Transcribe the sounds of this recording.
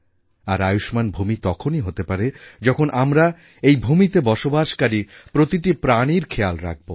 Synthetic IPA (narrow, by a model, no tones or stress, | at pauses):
aɾajuʃmanbʱumit̪ɔkʰoniɦot̪epaɾed͡ʑɔkʰonʔamɾa | ejbʱumit̪ebɔʃobaʃkaɾipɾot̪iʈipɾaniɾkʰealɾa̰k̚ʰbo